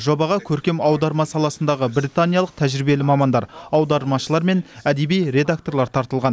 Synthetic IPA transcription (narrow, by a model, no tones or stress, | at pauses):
ʒo̞bɑʁɑkʲʰɵɾkʲe̞mɑwd̪ɑɾmɑsɑlˠɑsənd̪ɑʁəbɾit̪anʲijɑlˠəq̚t̪ʰæʒɾibe̞lɪmɑmɑnd̪ɑ̰ɾɑwd̪ɑɾmɑʃəlˠɑɾme̞næd̪e̞bijɾe̞d̪ak̚t̪o̞rlˠɑɾt̪ʰɑɾt̪əlˠʁɑn